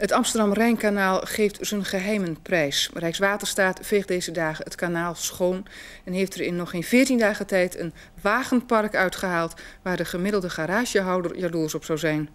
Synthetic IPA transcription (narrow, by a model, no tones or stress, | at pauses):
ətɑmstərdɑmrɛjnkanaːlˠχejftz̥ənχəɦɛjmənprɛjsrɛjksʋaːtərstaːtv̥ejχ̚dejzədaːχəətkanaːlˠsχoːn | ɛnɦejftərɪnːɔχɪnvɪːɹtindaːχətɛjtʰə̰n | ʋaːχənpɑrkœɥtχəɦaːlˠtʋaːɹdəχəmɪdəlˠdəχaɾaːʒjəɦɑwdərjaduːsɔpsɑwzɛjn